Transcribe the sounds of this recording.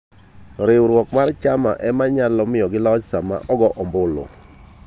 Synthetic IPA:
ɾɪwɾwɔkmart͡ʃama̰ʔɛmaɲalɔmɪjɔɡɪlɔt͡ʃsama̰ʔɔɡɔʔɔmbʊlo̰

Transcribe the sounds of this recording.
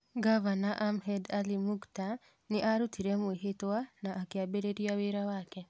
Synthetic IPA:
ɡavanaʔamhɛdalimukta | neʔaɾutʰiɾɛmweɦetwanaʔːkeabeɾeɾiaweɾawakɛ

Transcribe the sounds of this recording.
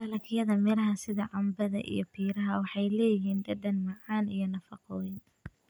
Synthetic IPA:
bɐlɐkʰɪjɐðɐmɛlɐɦɐsɪðɐʕɑmbɐðɐ̰ʔḭjɞpʰiːɾɐɦɐwɑħɑjlɛːjɪɦiːnd̪ɐd̪ɐnmɑʕɑːnijɞnɐfɑqɔːwɪn

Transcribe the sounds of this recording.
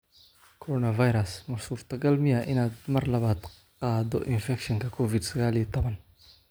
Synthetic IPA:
kʰɔɾɔːnɐvɐjɾɐsmɐsuːft̪ʰɐɡɐlmɪjɐʔɪnaːd̪mɐrlɐβaːd̪ | qɑːd̪ɔ̰ʔɪnfɛkʃɔŋkʰɐkʰɔvɪd̪sɐɣaːlijɛt̪ʰɔβɐn

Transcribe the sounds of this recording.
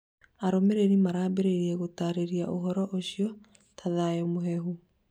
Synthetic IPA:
aɾomeɾeɾimaɾaːbeɾeɾiɛɣotaɾeɾiaʔoɦɔɾɔʔoɕiɔ | tʰaðaɛmoɦɛɦu

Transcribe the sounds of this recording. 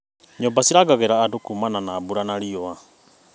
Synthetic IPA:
ɲɔmbasiɾaɡaɣɛɾaːdokumananaːbuɾanaɾiɔa

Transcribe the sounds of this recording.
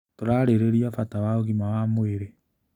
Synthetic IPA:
toɾaɾeɾeɾiafatawaoɣimawamweɾe

